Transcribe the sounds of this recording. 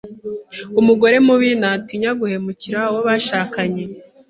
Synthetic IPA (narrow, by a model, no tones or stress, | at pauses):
umuɡo̞ɾe̞muβinatiɲaɡuhe̞muciɾawoβaʃaːkaɲe̞